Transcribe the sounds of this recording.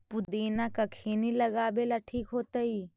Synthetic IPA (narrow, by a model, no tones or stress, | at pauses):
pʊd̪eːnakakʰeːnilɐɡaːbelaʈʰiːkɦoːt̪ai